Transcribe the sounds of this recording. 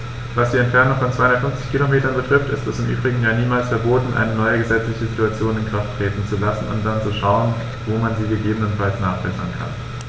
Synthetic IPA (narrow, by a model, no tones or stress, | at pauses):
vasd̥iːɛntfɛɐnʊŋfɔnt͡svaɪhʊndɐətfʏnft͡sɪçkʰilomeːtɐnbətʁ̥ɪftɪstɛsɪmʔy̰ːbʁɪɡŋ̩jaːniːmaːlsfɛɐboːtn̩ʔa̰ɪnənɔʏəɡəzɛt͡slɪçəzituat͡sjoːnɪnkʁ̥aftʁ̥eːtn̩t͡sulasn̩ʊ̰nt̚d̥ant͡suʃaʊən | voːmanziːɡəɡeːbənənfalsnaːχb̥ɛsɐ̰nkʰa̰n